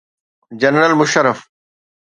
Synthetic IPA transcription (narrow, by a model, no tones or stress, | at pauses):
d͡ʑɐnɾəlmʊʃəɾəf